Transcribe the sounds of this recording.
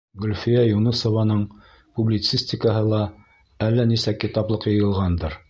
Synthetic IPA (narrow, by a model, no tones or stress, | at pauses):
ɡɵ̆lʲfijæjunɤsŏvɑnɤɴ | publʲit̪sisʲtʲɪkəɦɤlˠɑ | ælːænisækit̪ɑblˠɤqjɤ̆jɤ̆lˠʁɑnd̪ɤɾ